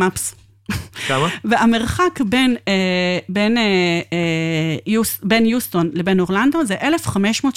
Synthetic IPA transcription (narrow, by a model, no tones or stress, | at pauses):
aps | kamaveameʁχakbenebene | jubenjust̪o̞nlebenoʁland̪ozeʔelefχameʃmo̞ːt